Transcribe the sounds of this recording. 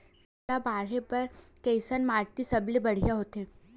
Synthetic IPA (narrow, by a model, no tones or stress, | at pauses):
abaːɾepɐɾkɛːsənmaːɾt̪isɐblebɐɽ̤ijaɦoːt̪ẽː